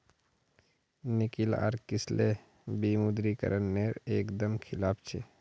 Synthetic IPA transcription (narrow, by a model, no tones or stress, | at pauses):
nɪkɪla̰ːɾkɪsle | biːmud̪ɾikə̰ɾənːeɾeːkd̪əmkʰɪlaːpʰt͡ʃʰḛ